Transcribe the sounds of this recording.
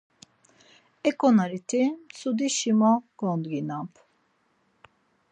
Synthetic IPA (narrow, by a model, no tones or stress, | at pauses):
ɛkʼɔnaɾit̪ʰisud̪iʃimɔɡ̥ɔnd̪ɡinampʰ